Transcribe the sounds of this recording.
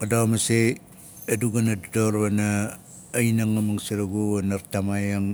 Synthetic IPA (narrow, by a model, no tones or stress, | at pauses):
kadomase | aduɡanadudoɾβanaː | inaŋamaŋsiɾaɡuanaɾtamajaŋ